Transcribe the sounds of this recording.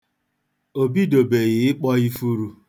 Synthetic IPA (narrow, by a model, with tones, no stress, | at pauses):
o˨bi˦do˨be˨ɣɪ˨˦ɪ˦k͡pɔ˦i˦fu˦ɾu˦